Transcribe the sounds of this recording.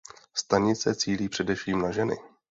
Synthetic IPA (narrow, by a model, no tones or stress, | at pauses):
st̪aɲɪt͡sɛt͡siːliːpr̝̥ɛdɛfʃiːmnaʒɛnɪ̰